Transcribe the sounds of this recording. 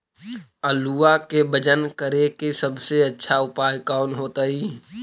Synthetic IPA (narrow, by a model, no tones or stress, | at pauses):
əluːakebəd͡ʒənkəɾekesəbseɐtːʃʰaʊpaːjkaːnɦoːt̪aiː